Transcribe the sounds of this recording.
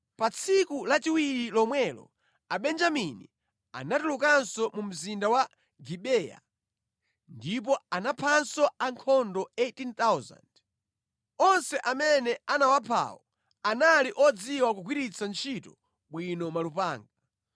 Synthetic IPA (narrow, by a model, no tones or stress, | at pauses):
pat͡sʰikulat͡ʃiwiɾilɔmwɛlɔ̰ | aɓɛnd͡ʒaminḭ | a̰natulukansɔmum̩zindawa | ɡiɓɛja̰ | ndip̬ɔanapʰansɔaŋkʰɔndɔetint̪awza̰nd̥ | ɔnsɛʔamɛnɛanawapʰa̰wɔ | analiʔɔd͡ziwakuɡʰwiɾit͡sʰant͡ʃʰitɔ | ɓwinɔmalupaːŋɡa